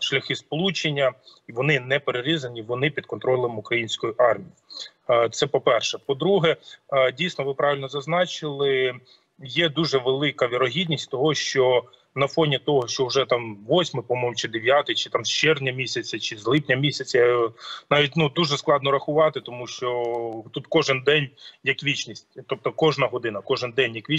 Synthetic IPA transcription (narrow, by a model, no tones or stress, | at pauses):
ʃlʲɐxɪspɔlˠut͡ʃenʲːɐiʋɔnɪnɛpeɾeɾizɐnʲiʋɔnɪpʲid̪kɔnt̪ɾɔlˠɛmʊkɾɐjinʲsʲkɔjiʔɑrmʲiji | t̪sɛpɔpɛrʃɛpɔd̪ɾuɦɛdʲijsnɔʋɪpɾɑʋʲɪlʲnɔzɐznɑt͡ʃɪlˠɪ | jɛd̪uʒɛʋelˠɪkɐʋʲiɾɔɦʲidʲnʲisʲtʲt̪ɔɦɔʃt͡ʃɔ | nɐfɔnʲit̪ɔɦɔʃt͡ʃɔʊʒɛt̪ɑmʋɔsʲmɪpɔmɔjmt͡ʃɪd̪eʋʲjɑt̪ɪjt͡ʃɪ̥t̪ɑmʃt͡ʃɛrnʲɐmʲisʲɐt͡sʲɐt͡ʃɪzlˠɪpnʲɐmʲisʲɐt͡sʲɐnɑʋʲitʲnud̪uʒɛsklˠɑd̪nɔɾɐxʊʋɑt̪ɪt̪ɔmuʃt͡ʃɔt̪ut̪kɔʒɪnd̪ɛnʲjɐkʋʲit͡ʃnʲisʲtʲt̪ɔp̚t̪ɔkɔʒnɐɦɔd̪ɪnɐkɔʒɪnd̪ɛnʲjɐkʋʲi